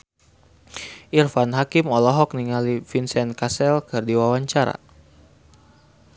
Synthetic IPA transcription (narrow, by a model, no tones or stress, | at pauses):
ʔirfanɦakimɔlɔɦɔk̚niŋalifinsɛnkasɛlkɨrdiwawaɲt͡ʃaɾa̰